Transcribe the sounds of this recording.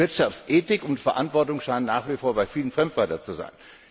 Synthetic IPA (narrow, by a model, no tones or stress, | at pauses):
ɪɐtʃaft͡sʔeːtɪkʊntfɛɐʔantv̥ɔɐtʊŋʃaɪnənːaːχv̥ifoːɐbaɪfiːlənfʁ̥ɛmtv̥aɪtɐnt͡suza̰ɪn